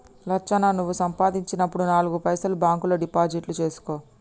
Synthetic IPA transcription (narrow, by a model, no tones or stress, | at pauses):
lɐt͡ʃːɐnanuʋːusɐmpaːd̪iɲt͡ʃinɐpːuɽunaːluɡupɐjsɐlubaːŋkuloɖipaːd͡ʒiʈlut͡ʃe̞ːsu̥koː